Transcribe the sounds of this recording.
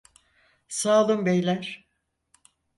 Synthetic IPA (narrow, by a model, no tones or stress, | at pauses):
saːlˠɯmbejlʲæɾ̥